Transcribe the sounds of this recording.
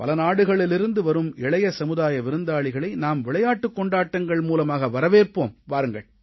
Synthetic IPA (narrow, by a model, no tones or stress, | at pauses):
pɐ̰lɐnaːɽɯɣɐɭɪlɪɾɯnd̪ɯʋɐɾɯmɪɭɐjɐsɐmɯðaːjɐʋɪɾɯnd̪aːɭɪɣɐɭɐɪnaːmʋɪɭɐjaːʈːɯkːɔɳɖaːʈːɐŋɡɐɭmuːlɐmaːɣɐʋɐɾɐʋeːrpoːmʋaːɾɯŋɡɐɭ